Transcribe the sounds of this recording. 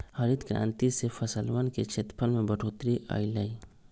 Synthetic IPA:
həɾid̪kɾã̰ːnt̪isepʰəsəlʋənket͡ʃʰet̪pʰəlmẽbəʈʰoːt̪ɾiʔə̰ɪləi

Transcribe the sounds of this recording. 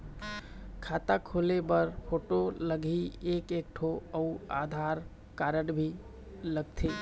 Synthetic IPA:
kʰat̪akʰolebəɾpʰoʈoləɡʱiekek̚ʈʰoəuad̪ʱaɾ | kaɾəɖbʱi | ləɡ̚t̪ʰi

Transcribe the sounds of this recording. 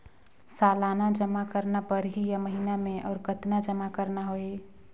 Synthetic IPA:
salanad͡ʒəmakəɾnapəɾɦijaməɦinameʔɔ̰ːɾkət̪nad͡ʒəmakəɾnaɦoe

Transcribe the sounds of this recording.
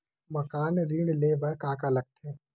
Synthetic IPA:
mɐkaːnɾiːɽleːʋɐɾkaːkalɐɡ̚t̪ẽː

